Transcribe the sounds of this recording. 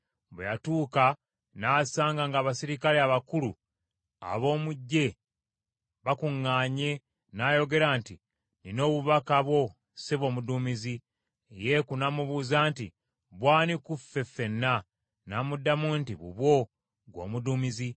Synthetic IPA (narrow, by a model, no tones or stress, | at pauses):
bejatuːka | naːsaːŋɡaŋɡaːβasiɾikaleaβakulṵ | a̰βo̞ːmuɟːe̞ | βakuŋːaːɲe̞ | naːjo̞ɡe̞ɾaːnti | nino̞ːβuβakaβwo̞ | seβo̞ːmuduːmizi | jekunamuβuːzaːntḭ | βwaːnikufe̞fe̞nːa | namudːamuntiβṵβwo̞ | ɡwo̞̰ːmuduːmizi